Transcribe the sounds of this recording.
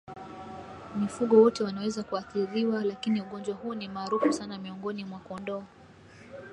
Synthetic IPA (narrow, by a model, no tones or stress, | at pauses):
mifuɠɔwɔtɛwanawɛzakuaθiɾiwalakiniuɠɔnd͡ʒwahuɔnimaːɾufusanamiɔŋɡɔnimwakɔndɔa